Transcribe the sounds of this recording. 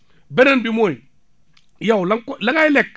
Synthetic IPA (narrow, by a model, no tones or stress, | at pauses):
benenbimoj | jawlaŋklaŋajlek